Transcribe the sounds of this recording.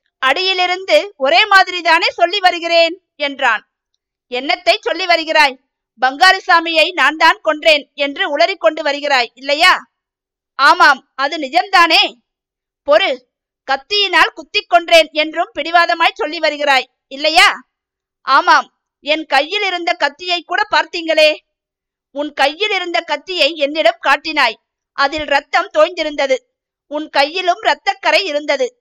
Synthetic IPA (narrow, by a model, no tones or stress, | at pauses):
ɐɽɪjɪlɪɾɯnd̪ɯɔɾeːmaːðɪɾiðaːneːsɔlːiʋɐɾɯɣɪreːn | ɛndraːn | ɛnːɐt̪ːɐɪt͡ʃsɔlːiʋɐɾɯɣɪraːj | bɐŋɡaːɾɯsaːmɪjɐɪnaːnd̪aːnkɔɳɖreːnɛndrɯʊɭɐɾɪkːɔɳɖɯʋɐɾɯɣɪraːjɪlːɐjaː | aːmaːm | ɐðɯnɪd͡ʒɐmd̪aːneː | pɔɾɯ | kɐt̪ːɪjɪnaːlkʊt̪ːɪkːɔɳɖreːnɛndrɯmpɪɽɪʋaːðɐmaːjsɔlːiʋɐɾɯɣɪraːj | ɪlːɐjaː | ʔaːmaːm | ɛnkɐjːɪlɪɾɯnd̪ɐkɐt̪ːɪjɐɪkːuːɽɐpaːɾt̪iːŋɡɐɭeː | ʊnkɐjːɪlɪɾɯnd̪ɐkɐt̪ːɪjɐɪɛnːɪɽɯmkaːʈːɪnaːj | ʔɐðɪlɾɐt̪ːɐmt̪oːjnd̪ɪɾɯnd̪ɐðɯ | ʊnkɐjːɪlɯmɾɐt̪ːɐkːɐɾɐɪɪɾɯnd̪ɐðɯ